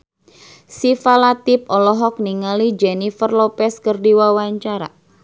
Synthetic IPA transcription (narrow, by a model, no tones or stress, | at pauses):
sifalat̪ip̚ɔlɔɦɔk̚niŋalid͡ʒɛnifərlopɛskərdiwawaɲt͡ʃaɾa̰